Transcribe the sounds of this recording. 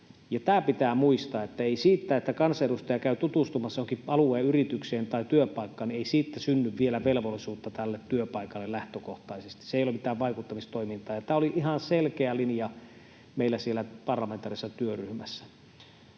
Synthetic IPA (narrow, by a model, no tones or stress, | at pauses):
jɑt̪æːpit̪æːmuist̪ɑːet̪ːæeisiːt̪ːæːet̪ːækɑnsɑedust̪ɑjɑkæˑyt̪ut̪ust̪umɑsːɑoŋkiɑluˑeːyrit̪ykseːnt̪ɑˑit̪yøpɑˑikːɑːneisiːt̪ːæsynːyʋʋielæʋelʋolːˑisuːt̪ːɑt̪ælːet̪tyøpɑˑikɑlːellæht̪økoht̪ɑisest̪i̥seˑijolemit̪æːʋʋɑˑikut̪ːɑmist̪oimint̪ˑɑːjɑt̪æːoliʔihɑnselkeælinjɑ | meilːæsielːæpɑrlɑment̪ɑːˑrisesːɑt̪yøryhmæsːæ̥